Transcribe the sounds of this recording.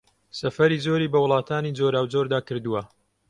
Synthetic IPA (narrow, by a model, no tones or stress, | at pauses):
sɐfɐɾiːzoːɾiːbɐwʊlˠɑːt̪ʰaːnid͡zoːɾaːwd͡zoːɾd̪aːkɨɾd̪uwɐ